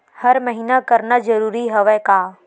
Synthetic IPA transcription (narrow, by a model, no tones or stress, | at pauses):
hɐɾmɐɦiːnakɐɾnazɐɾuːɾiɦɐʋɛkaː